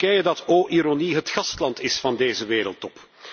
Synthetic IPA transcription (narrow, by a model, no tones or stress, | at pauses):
ɛjədɑtoːʔiɾoniɦətxɑstlɑntɪsfɑndeːzəʋeːɾəlˠtɔp